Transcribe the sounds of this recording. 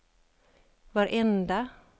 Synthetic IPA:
vaɾʔɛnd̪a

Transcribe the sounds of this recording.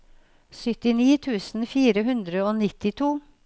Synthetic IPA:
sʏt̪ɪniːt̪ʰʉːsn̩fiːɾəɦʉnd̪ɾəoːnɪt̪ɪt̪ʰuː

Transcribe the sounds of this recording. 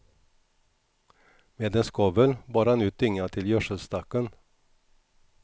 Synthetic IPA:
meːd̪ɛnskɔvəlbɑːɾhanʉ̟ːt̪̚d̪ʏŋːat̪ʰɪljœʂəlst̪akːən

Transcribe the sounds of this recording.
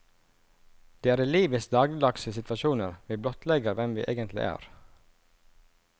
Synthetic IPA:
d̪̥eːæːɾiːliːʋɪs̚d̪ɑːɡ̪ɪd̪ɑksəsɪt̪ʋɑʃuːnəɾʋiːblɔt̪lɛɡəɾʋɛmʋḭːʔḛːɡənt̪ʰlɪ̰ʔæ̰ːɾ

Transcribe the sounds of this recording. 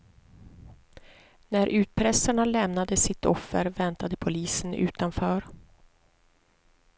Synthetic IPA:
næɾʔʉ̟ːt̪̚pʰɾɛsaɳalɛmnad̪əsɪt̪ɔfːəɾvɛnt̪ad̪əpʰʊliːsənʉ̟̰ːt̪anfœːɾ

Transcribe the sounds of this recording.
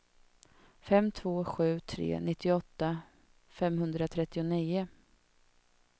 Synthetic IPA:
fɛmːt̪ʰvoːɧʉ̟ːt̪ʰɾḛːnɪt̪ʰːɪɔt̪ːa | fɛmɦɵnd̪ɾat̪ʰɾɛt̪ːɪʊniːʊ

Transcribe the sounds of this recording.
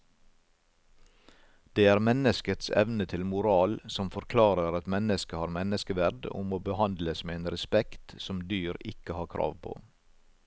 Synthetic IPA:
d̪̥eːæːɾmɛnəskət̪sɛ̰ʋnət̪ʰɪlmʊɾɑːlsɔmfɔɾkʰlɑːɾəɾɑt̪mɛnəskəhɑːɾmɛnəskəʋæɾɖʊ̰moːbəhɑnd̪ləsmeːeːnɾɛspɛkt̪sɔmd̪yːɾɪkəhɑːkʰɾʔɑ̰ːʋpʰo̰ː

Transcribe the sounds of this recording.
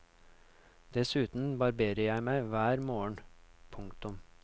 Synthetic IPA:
d̪̥ɛsʉːt̪n̩bɑɾbeːɾəjæɪmæɪʋæːɾmoːəɳpʰʊŋkt̪ʊm

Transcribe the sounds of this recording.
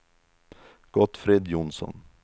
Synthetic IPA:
ɡ̥ɔt̪fɾeːd̪jʊnsɔ̰n

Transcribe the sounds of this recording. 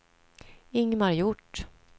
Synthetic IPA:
ɪŋmaɾjʊʈː

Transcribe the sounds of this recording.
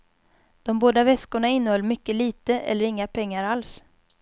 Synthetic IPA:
d̪̥ɔmboːd̪avɛskʊɳaɪnːəhɔlːmʏkːəliːt̪əʔɛ̰lːəɾɪŋːapʰɛŋːaɾals

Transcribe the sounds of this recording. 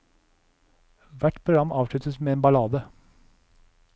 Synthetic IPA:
ʋæʈpʰɾʊɡɾɑmʔɑːʋʂɭʉt̪əsmeːeːnbɑlɑːd̪ə

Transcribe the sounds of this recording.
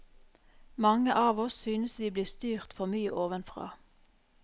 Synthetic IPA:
mɑŋəʔɑːʋɔsːyːnəsʋiːbliːst̪yːʁt̪fɔʁmyːəʔoːʋənfʁɑ̰ː

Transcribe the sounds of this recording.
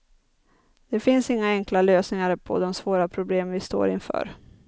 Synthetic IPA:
d̪̥ɛfɪnsɪŋːaɛŋklaløːsnɪŋaɾpʰɔ̰d̪ɔmsvoːɾapʰɾʊbleːmvɪst̪o̰ːɾɪnfœ̰ːɾ

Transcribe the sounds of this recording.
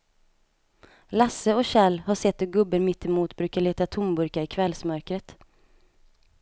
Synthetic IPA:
lasəɔɕɛlːhaʂɛt̪ːɔɡɵbːəɾmɪt̪ːɛmuːt̪bɾʉ̟ːkaɭeːt̪at̪ʰʊmbɵɾkaɪkʰvɛlsmœɾkɾət̪

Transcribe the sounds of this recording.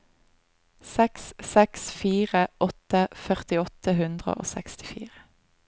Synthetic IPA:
sɛkssɛksfiːʁəʔɔt̪əfœʁt̪ɪɔt̪əhʉnd̪ʁə̰ʔo̰ːsɛkst̪ɪ̥fḭːʁə

